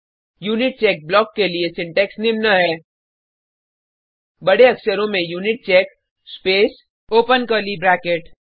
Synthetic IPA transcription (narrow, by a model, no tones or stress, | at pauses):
juːnɪʈ̚t͡ʃɛːk̚blɔːkːeliesɪ̃ɳʈɛːksnɪmnaɦɛː | bɐɽeɐksəɾõmẽjuːnɪʈ̚t͡ʃɛːk | speːs | oːpənkəːlibɾɛːkeʈ